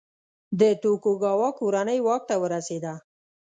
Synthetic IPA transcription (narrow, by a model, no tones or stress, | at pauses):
d̪ət̪okoɡɑwɑkoɾanəjwɑk̚t̪awəɾased̪a